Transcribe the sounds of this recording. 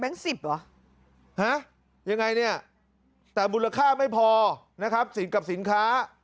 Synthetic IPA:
bɛ˦˥ŋsi˨˩p̚lɔ˨˦ | ha˦˥ | ja˧ŋːa˧jni˥˩ɐ | t̪ɛː˨˩muː˧la˧kʰaː˥˩ma˥˩jpʰɔː˧ | na˦˥kʰa˦˥p̚si˨˩˦nka˨˩p̚si˨˩˦nkʰaː˦˥

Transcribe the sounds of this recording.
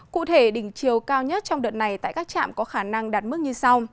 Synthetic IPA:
kṵ˧˨t̪ʰe˧˩ɗï˧˩ŋ̟t͡ɕi˨˩əwkaː˧wɲə˦˥t̚t͡ɕɔ˧wŋ͡mɗə̰˨˩t̚na˨˩jt̪a̰ː˧˨jkaː˦˥k̚t͡ɕa̰ː˧˨mkɔ˨˦xaː˧˩na˧ŋɗaː˨˩t̚mɨ˦˥k̚ɲɨ˧sa˧w

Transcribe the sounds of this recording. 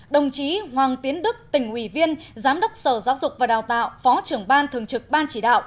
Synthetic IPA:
ɗə˨˩wŋ͡mt͡ɕi˨˦hwaː˨˩ŋt̪i˨˦ənɗɨ˦˥k̚t̪ï˧˩ŋ̟ʔwi˧˩vi˧ənzaː˨˦mɗə˦˥wk͡p̚səː˧˩zaː˨˦wzʊ˨˩k͡p̚vaː˨˩ɗaː˨˩wt̪a̰ː˧˨wfɔ˨˦t͡ɕɨ˧˩əŋɓaː˧nt̪ʰɨ˨˩əŋt͡ɕɨ˨˩k̚ɓaː˧nt͡ɕi˧˩ɗa̰ː˧˨wʔ

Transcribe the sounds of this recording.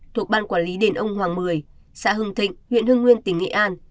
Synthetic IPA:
t̪ʰu˨˩ək̚ɓaː˧nkwaː˧˩nli˨˦ɗe˨˩nʔə˧wŋ͡mhwaː˨˩ŋmɨ˨˩əj | sa̰ː˧˥ɦɨ˧ŋt̪ʰï˧˨ŋ̟hwḭ˧˨ənhɨ˧əŋwi˧ənt̪ï˨˩˦ŋŋḛ˧˨ʔaː˧n

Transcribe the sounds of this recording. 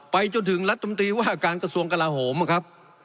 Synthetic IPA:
pa˧jt͡ɕo˧nt̪ʰɯ˩˦ŋɾla˦˥t̪̚ʰːa˧mu˧nt̪ɾiː˧waː˥˩ʔa˧kaː˧nka˧su˧əŋka˧laː˧ɦoː˩˦ma˨˩kʰa˦˥p̚

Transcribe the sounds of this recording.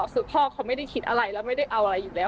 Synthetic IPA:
su˨˩˦pʰɔː˥˩kʰa˧˥wma˥˩jda˥˩jkʰi˦˥t̪̚ʔa˧ɾa˧jlɛː˦˥wma˥˩jda˥˩jʔa˧wʔa˧ɾa˧jːuː˨˩lɛː˦˥

